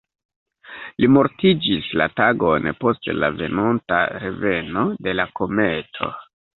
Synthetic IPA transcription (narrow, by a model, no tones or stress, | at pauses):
limo̞ɾtid͡ʒisla̰taɡo̞npo̞stla̰ve̞̰nonta̰ɾe̞ve̞no̞de̞lako̞me̞tʰo̞̰